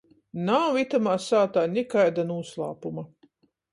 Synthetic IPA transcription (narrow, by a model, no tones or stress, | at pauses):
nawit̪amaːsaːt̪aːnʲikajd̪anuːslˠɑ̰ːpuma